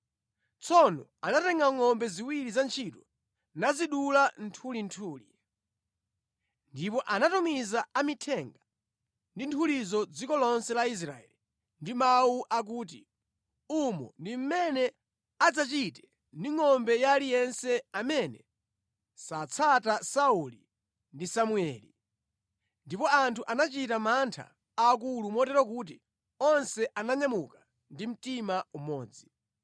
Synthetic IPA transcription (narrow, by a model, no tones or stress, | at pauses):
t͡sʰɔnɔanatɛŋɡaŋɔmbɛziwiɾizant͡ʃʰitɔ | naziɗulan̩tʰulintʰuːli | ndipɔʔanatumizaʔamitʰɛŋɡa | ndintʰulizɔd͡zikɔlɔnsɛlais̬ɾa̰ɛ̰li | ndimawuʔak̬uːt̬ḭ | umɔ̰ndim̩mɛnɛ | ad͡zat͡ʃitɛ̥ | ndiŋɔmbɛjalijɛnsɛamɛnɛ | sat͡sʰatasauli | ndisamuɛli | ndipɔantʰuʔanat͡ʃitamantʰa̰ː | k̬ulumɔtɛɾɔk̬uːt̬i | ɔnsɛʔanaɲamuka | ndim̩timaumɔːd͡zi